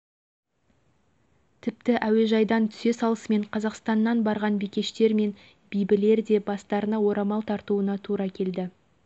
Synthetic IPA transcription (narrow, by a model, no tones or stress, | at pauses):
t̪ʰɪp̚t̪ɪʔæwe̞ʒɑjd̪ɑnt̪ʰʏ̥se̞sɑlˠəsme̞ɴqʰɑzɑqst̪ɑnːɑnbɑɾʁɑnbikʲe̞ʃt̪e̞ɾme̞n | bijbɪle̞ɾd̪e̞bɑst̪ɑɾənɑwo̞ɾɑmɑlˠt̪ʰɑɾt̪uənɑt̪ʰuɾɑkʲʰe̞ld̪ɪ